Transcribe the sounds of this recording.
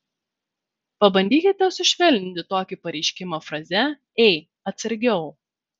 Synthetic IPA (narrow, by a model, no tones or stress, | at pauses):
pɐbɐnʲd̪ʲiːkʲɪt̪ʲɛsʲɪʃʲʋʲɛlʲnʲɪnʲt̪ʲɪt̪oːkʲɪpɐɾʲɛɪʃʲkʲɪmɐfɾɐzʲɛ | ɛɪ | ɐt̪sʲɐɾʲɡʲɛʊ